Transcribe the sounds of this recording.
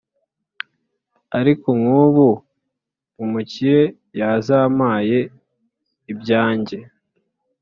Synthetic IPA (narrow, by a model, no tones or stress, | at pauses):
aɾikoŋuβuː | muciɾe̞ | jazaːmaːje̞ | ibɟaːɲɟe̞